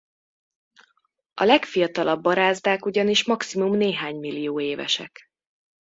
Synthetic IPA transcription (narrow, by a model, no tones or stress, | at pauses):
ʔɒlɛkfijɒt̪ɒlʔɒbːɒɾaːzd̪aːkuɟɒniʃmɒksimumneːɦaːɲmilːijoːeːvɛ̰ʃɛ̰k